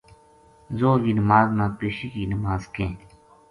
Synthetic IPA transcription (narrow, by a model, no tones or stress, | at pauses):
zoːɡiːnəmaːznãːpeːʃiːkiːnəmaːzkẽː